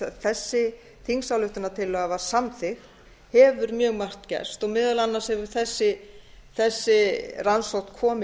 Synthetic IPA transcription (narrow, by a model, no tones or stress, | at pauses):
θɛsːɪ | θiŋsawlʏht̪ʏnat̪ʰɪlːœːɣavasamθɪxt̪ | hɛvʏɾmjœːɣmar̥t̪cɛ̰̥st̪ɔɣmɪðalanːaɾshɛvʏɾ̥θɛsːɪθɛsːɪransɔwht̪kʰɔːm